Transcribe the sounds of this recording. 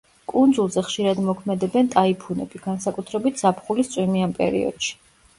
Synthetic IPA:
kʼund̪zulˠzɛχʃiɾad̪mɔkʰmɛd̪ɛbɛnt̪ʼaipʰunɛ̰biɡ̥ansakʼut̪ʰɾɛbit̪ʰz̥apʰχulist̪sʼwimianpʼɛ̰ɾḭɔ̰d̪̥ʃi̥

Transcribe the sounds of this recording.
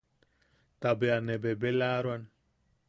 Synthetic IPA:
t̪abeanebebelaːɾwan

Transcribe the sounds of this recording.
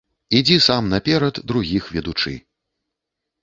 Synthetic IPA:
id͡zʲisamnɐpʲɛɾɐd̪ːɾuɣʲixvʲɛd̪ut͡ʂɨ̰

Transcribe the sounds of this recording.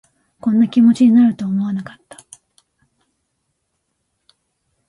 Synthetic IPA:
kõ̞nːakʲimo̞t͡ɕiɲ̟inaɾɯ̟t̪o̞ːmo̞anakḁt̪ːḁ

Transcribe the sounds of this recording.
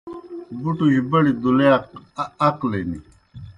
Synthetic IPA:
buʈuhibɐɽid̪ule | ɐklenḭ

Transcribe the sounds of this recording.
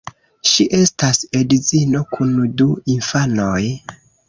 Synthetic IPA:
ʃiʔe̞stasedizino̞kʰunduinfano̞j

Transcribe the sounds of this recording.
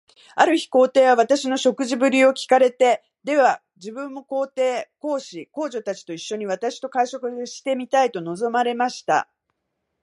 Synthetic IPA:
aɾɯ̟çi̥ko̞ːt̪e̞ːβaβ̞at̪aɕino̞ɕo̞kɯ̟ʑibɯ̟ɾʲio̞kʲi̥kaɾe̞t̪e̞ | d̪e̞βa | d͡ʑibɯ̟̃mːo̞ko̞ːt̪e̞ːko̞ːɕiko̞ːʑo̞t̪at͡ɕi̥t̪o̞iɕːo̞ɲ̟iβ̞at̪aɕi̥t̪o̞kaiɕo̞kɯ̟ɕi̥t̪e̞mʲit̪ait̪o̞no̞zo̞maɾe̞maɕi̥t̪a̰

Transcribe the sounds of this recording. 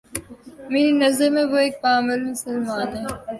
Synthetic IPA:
meːɾinɐzəɾmẽʋoeːk̚paːmɪlmʊsəlmaːnɦɛː

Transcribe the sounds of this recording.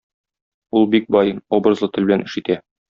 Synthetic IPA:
ulˠbik̚bɒjɤnobɾɤzlˠɤt̪ɘ̆lbɘ̆lænɘ̆ʃit̪æ

